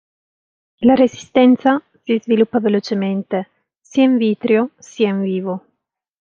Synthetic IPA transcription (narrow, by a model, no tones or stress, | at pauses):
laɾezi̥st̪ɛnt̪sa | sizvilupːavelot͡ʃement̪e | siaiɱviːt̪ɾjosiaiɱviːvo